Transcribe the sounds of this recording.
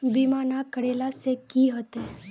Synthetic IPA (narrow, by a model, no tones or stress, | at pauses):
bimanakəɽelasekiɦət̪e